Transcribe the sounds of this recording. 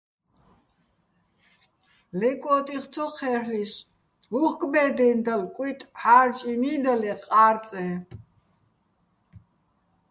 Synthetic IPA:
lɛkʼɔt̪ʼiχt̪t͡sʰɔχʰɛhlis | uχɡʼbɛd̪ɛnd̪alkʼwit̪ʼħaɾt͡ʃʼinid̪alɛqʼaɾt͡sʼɛ

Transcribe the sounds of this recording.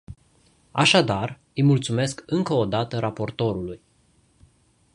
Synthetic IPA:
aʃad̪ar | ɨjmult̪sume̞skɨŋkəod̪at̪əɾapo̞rt̪o̞ɾuluj

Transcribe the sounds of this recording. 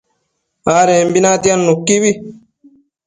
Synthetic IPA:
aːɾẽːmbinaːt̪ijanːukːiːbi

